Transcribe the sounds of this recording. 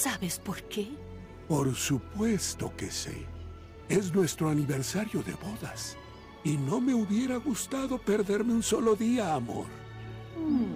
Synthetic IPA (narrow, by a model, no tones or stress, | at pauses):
saβespoɾke | po̞ɾsupwe̞st̪o̞̰ke̞̰sḛ | esnwe̞st̪ɾoaniβe̞ɾsaɾjo̞ðe̞̰βo̞ðas | ino̞me̞uβje̞ɾaɣust̪aðo̞pe̞ɾðe̞ɾmeunso̞lo̞ðiaːmo̞̰ɾ